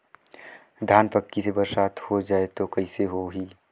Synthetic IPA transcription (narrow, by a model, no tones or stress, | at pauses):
d̪ʱaːnpəkːisebəɾsaːt̪ʰhod͡ʒaːet̪okɐiseɦoɦiː